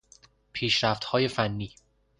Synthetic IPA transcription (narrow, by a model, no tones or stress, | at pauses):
pʰiːʃɾæft̪hɒːje̞fænːiː